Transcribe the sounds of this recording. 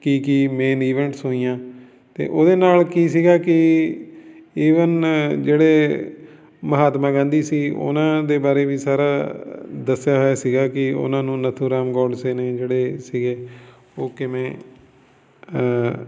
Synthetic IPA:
kiːkimeːniːʋɛ̃ːɳʈsɦoːiːãː | t̪ḛːʔoːd̪eːnaːlkiːs̬iːɡaːkɪ | iːʋənd͡ʒeːɽeː | məɦaːt̪mãːɡãːnd̪iːsiːʊ̰nãːd̪eːbaːɾeːʋiːsaːɾaːd̪əsːjaːɦoaːsiːɡaːkɪʊ̰nãːnũːnət̪ʰũːɾaːmɡɔːɖseːneːd͡ʒeːɽeːsiːɡeː | oːkɪmɛ̃ː

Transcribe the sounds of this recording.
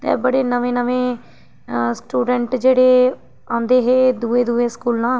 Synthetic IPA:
t̪ɛ̰̃ːbəɽeːnəʋẽːnəʋẽː | sʈuːɖɛɳʈd͡ʒeːɽeː | ãːnd̪eːɦeːd̪uẽːd̪uːẽːskuːlãː

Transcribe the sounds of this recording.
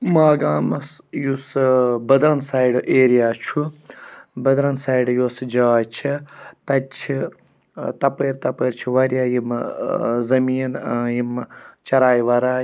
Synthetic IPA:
maːɡaːmɐsjusbɐd̪ɾɐnsaːjɖʔeːɾijaːt͡ʃʰu | bɐd̪ɾɐnsaːiɖjoːsd͡ʒaːt͡ʃʰit̪ɐt͡ʃʰi | t̪ɐpeːɾt̪ɐpeːɾt͡ʃʰuʋɐɾjaːjim | zɐmiːnjimt͡ʃɐɾaːjʋɐɾaː

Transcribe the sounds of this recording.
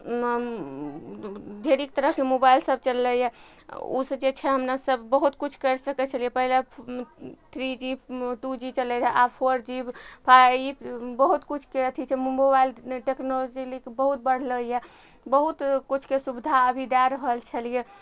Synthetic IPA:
d̪ʱeɾik̚t̪əɾəɦkemobailsəb̚ʱt͡ʃəlːəjḛṵsə̃d͡ʒet͡ʃʰɛɦəmnasəbːəɦut̪kut͡ʃʰkəɾsəkɛt͡ʃʰəlijepəɦile | t̪ʰɾid͡ʒiʈud͡ʒit͡ʃəlɛd͡ʒɛʔapʰoɾd͡ʒibpʰaibəɦut̪kut͡ʃʰkeət̪ʰit͡ʃʰɛmobailʈeknolod͡ʒilikebəɦut̪̚bəɽ̤ləje | bəɦut̪kut͡ʃʰkesubd̪ʱaəbʱid̪aɾəɦəlt͡ʃʰəlije

